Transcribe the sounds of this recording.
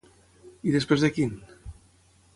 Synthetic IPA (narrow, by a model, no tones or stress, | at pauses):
iðespɾezðəkin